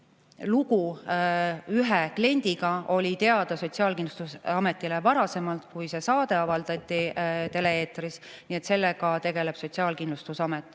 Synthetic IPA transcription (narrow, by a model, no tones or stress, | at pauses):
luku | yɦɛkle̞nʲd̪̥iɡɑo̞lʲit̪e̞ɑd̪̥ɑso̞tʲsiɑːlkinlu̥st̪usɑme̞t̪ːˑilevɑɾɑse̞mɑlt̪kujse̞sɑːd̪e̞ɑvɑld̪̥ɑt̪ʲːˑit̪e̞le̞eːt̪risnie̞t̪se̞lːeɡɑt̪e̞ɡe̞le̞b̥so̞t̪ʲsiɑːlkind̪lust̪usɑmet̪ːˑ